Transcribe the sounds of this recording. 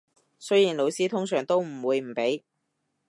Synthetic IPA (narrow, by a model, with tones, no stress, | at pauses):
sɵ˥jiː˨˩nlo˨˧wsiː˥t̪ʰʊ˥ŋsœː˨˩ŋt̪o˥wm̩˨˩wuː˨˧jm̩˨˩pe˨˥j